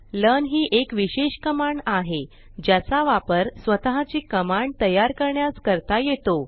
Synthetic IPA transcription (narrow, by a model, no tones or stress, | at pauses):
lənɦiːʔekʋiɕeɕkəmaɳaɦe | d͡ʑjat͡saʋapəɾsʋət̪aɦat͡ɕiːkəmaɳɖ̚t̪əjaɾkəɾɳjaskəɾt̪ajet̪o